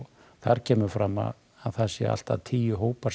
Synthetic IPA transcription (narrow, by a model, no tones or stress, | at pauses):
θaɾcʰɛːmʏɾfɾama̰ː | ðθɛsːɪa̰l̥t̪a̰ðt̪ʰiːjʏɦoːwpaɾ